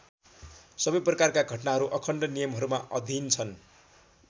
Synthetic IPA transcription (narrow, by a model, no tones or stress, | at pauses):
sʌbʌjprʌkarkaɡʱʌʈnaɦʌɾuʔʌkʰʌɳɖʌnijʌmɦʌɾumaʔʌd̪ʱint͡sʰʌn